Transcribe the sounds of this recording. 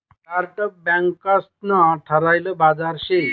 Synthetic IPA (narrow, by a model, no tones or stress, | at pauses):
karʈʌk̚bjaŋkːast̪̚nʌʈʰʌɾajlobad͡zarse